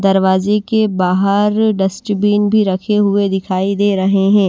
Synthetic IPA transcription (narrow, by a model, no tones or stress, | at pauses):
d̪ɐɾʋaːzekebaːɦəɾɖɐsʈbiːnbʱiɾɐkʰeɦʊed̪ɪkʰaːid̪eːɾɐɦeɦɛ̃ː